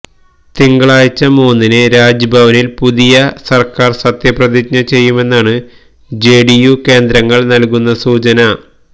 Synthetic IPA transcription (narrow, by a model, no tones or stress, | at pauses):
t̪iŋɡɐɭaːjt͡ɕːɐmoːnːinɨɾaːd͡ʑɐbʱɐʋɐnilpuðijɐsɐrkaːrsɐt̪jɐprɐðikɲɐt͡ɕe̞jːume̞nːaːɳɨ | d͡ʑeːɖijuke̞ːnd̪ɾɐŋːɐɭnɐlkunːɐsuːt͡ɕɐnɐ